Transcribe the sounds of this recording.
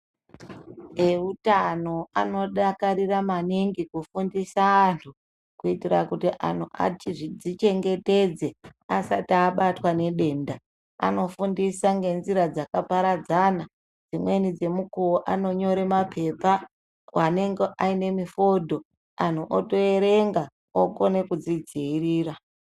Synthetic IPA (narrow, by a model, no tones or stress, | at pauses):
eutano̞a̰no̞ɗakaɾiramaniŋɡikufundisaːntʰu | kuitirakutiʔa̰n̤ʰuʔa̰t͡ʃʐid͡zit͡ʃe̞ŋɡe̞te̞d͡ze̞asataːɓatwane̞ɗe̞ːnda | a̰no̞fundisaŋɡe̞nziɾad͡zakapaɾad͡zana | d͡zimwe̞nid͡ze̞mukuoʔano̞ɲo̞ɾe̞mapʰe̞pa | wane̞ŋɡeʔaine̞mifo̞dʱo̞ | an̤uʔoto̞e̞ɾe̞ŋɡa | oko̞ne̞kud͡zid͡ziːriːra